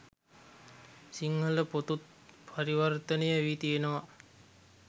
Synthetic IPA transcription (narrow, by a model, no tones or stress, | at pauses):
siŋːələpot̪ut̪̚pʰaɾiʋərt̪ənəjəʋit̪ijenəʋa